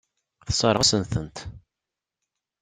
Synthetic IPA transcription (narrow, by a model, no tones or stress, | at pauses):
θəsˤəɾˤəsənθənt̪